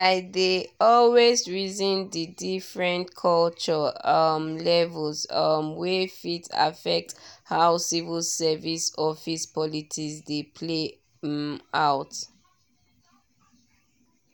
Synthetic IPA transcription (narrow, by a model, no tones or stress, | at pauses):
aɪdeɔlwezɹizĩndidifɹɛ̃ntkʰɔlt͡ʃɔʌmlɛvəlsʌmwefita̰fɛk̚thaʊsivilsɛvisɔfispʰɔlitʰisdepʰle | ʔawt